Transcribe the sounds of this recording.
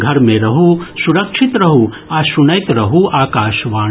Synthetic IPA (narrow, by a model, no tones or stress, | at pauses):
ɡʱɐɾmẽɾɐɦusuɾɐkʃʰit̪ɾɐɦu | aːsunɐjt̪ɾɐɦuaːkaːʃʋaː